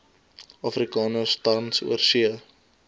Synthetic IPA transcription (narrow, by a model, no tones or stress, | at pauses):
ɑfrikɑːnəstɐrnsṵərsiə